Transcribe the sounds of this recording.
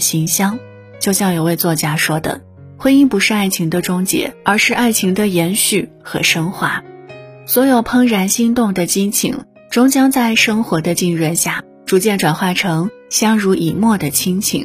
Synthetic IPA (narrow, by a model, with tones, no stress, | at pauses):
ɕi˧˥ŋɕjɑ˥ŋ | t͡ɕjo˥˧ʊɕjɑ˥˩ŋjo˨˩ʊwe˥˧ɪt͡swɔ˥˩t͡ɕja˥ʂwɔ˥d̪ə̰˨ | xwe˥ɪi˥˩ŋpu˧˥ʂɻ̩˥˧a˥˩ɪt͡ɕʰi˧˥ŋd̪ə˧ʈ͡ʂʊ˥ŋt͡ɕjɛ̰˧˥ə˞˧˥ʂɻ̩˥˧a˥˩ɪt͡ɕʰi˧˥ŋd̪ə˧jɛ˧˥nɕy˥˩ | xɤ˧˥ʂɤ˥ŋxwa˧˥swɔ˧˥jo˨˩ʊpʰɤ˥ŋɻa˧˥nɕi˥ŋt̪ʊ˥˩ŋd̪ə˩t͡ɕi˥ŋt͡ɕʰḭ˨˩˦ŋ | ʈ͡ʂʊ˥ŋt͡ɕjɑ˥ŋt͡sa˥˩ɪʂɤ˥ŋxwɔ˧˥d̪ə˧t͡ɕi˥˧ŋɻwə˧nɕja˥˩ | ʈ͡ʂu˧˥t͡ɕjɛ˥˩nʈ͡ʂwa˨˩nxwa˥˩ɪʈ͡ʂʰɤ˧˥ŋɕjɑ˥ŋɻu˧˥ʔi˨˩mwɔ˥˩d̪ə˩t͡ɕʰi˥ŋt͡ɕʰḭ˨˩˦ŋ